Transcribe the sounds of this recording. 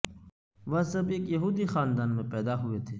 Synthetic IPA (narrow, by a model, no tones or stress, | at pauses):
ʋɐɦsɐbeːkjɐɦuːd̪ixaːnd̪aːnmẽpɛːd̪aɦʊet̪ʰeː